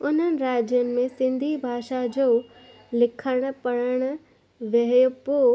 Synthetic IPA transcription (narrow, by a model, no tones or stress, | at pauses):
ʊn̤ənɪ̆ɾaːd͡ʑjənɪ̆mẽsɪ̃nd̪ʱibʱaːʃad͡ʑoː | lɪkʰəɽ̃ʊ̆pɐɽəɽ̃ʊ̆ | ʋɐɦjopoː